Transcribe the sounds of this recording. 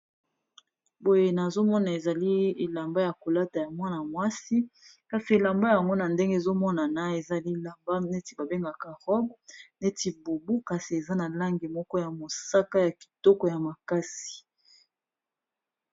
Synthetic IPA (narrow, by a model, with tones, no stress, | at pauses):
bo˨je˨na˨zo˦mɔ˦na˨e˨za˨li˦e˨la˨mba˦ja˨ko˨la˦ta˨ja˨mwa˦na˨mwa˦si˦ | ka˨si˨e˨la˨mba˦ja˨ŋɡo˦na˨nde˦ŋɡe˦˨zo˦mɔ˦na˨na˦e˨za˨li˦˨la˨mba˦ne˦ti˨ba˨be˦ŋɡa˨ka˨ʁɔ˦bne˦ti˨bo˨bu˦ka˨si˨e˨za˦na˨la˦ŋɡi˨mɔ˦kɔ˦ja˨mo˨sa˦ka˦ja˨ki̥˨tɔ˦kɔ˦ja˨ma˨ka˦si̥˨